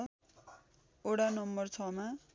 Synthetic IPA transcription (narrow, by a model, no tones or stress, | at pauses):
oɽanʌmbʌrt͡sʰʌma